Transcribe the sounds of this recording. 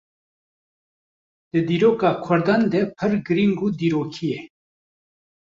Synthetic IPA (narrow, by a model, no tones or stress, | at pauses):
d̪̥ɨd̪iːɾoːkaːkʰʊɾd̪and̪epʰəɾɡɨɾiŋɡud̪iːɾoːkʰije